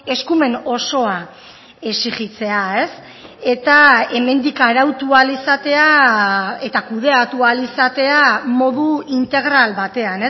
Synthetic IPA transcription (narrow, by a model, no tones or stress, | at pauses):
e̞skume̞no̞so̞a | e̞siɣit͡se̞ae̞s | e̞t̪ae̞me̞nd̪ikaɾawt̪ualisat̪e̞a | e̞t̪akuð̞e̞at̪ualisat̪e̞amo̞ðuint̪e̞ɣ̞ɾalβat̪e̞ane